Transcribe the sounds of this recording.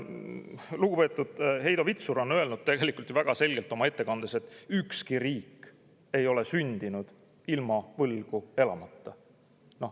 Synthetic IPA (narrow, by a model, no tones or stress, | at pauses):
luɡ̥upe̞t̪ːˑud̪̥he̞jd̪̥ovit̪suɾo̞nø̞e̞lnud̪̥̚t̪e̞ɡe̞likˑult̪ːˑivæɡ̥ɑse̞lʲɡe̞lt̪ːˑo̞mɑe̞t̪ːe̞kɑnd̪̥ese̞t̪ːˑykskiriːkː | e̞jo̞le̞synʲd̪̥inud̪̥ | ilmɑvɤlɡ̥ue̞lɑmɑt̪ːɑ | no̞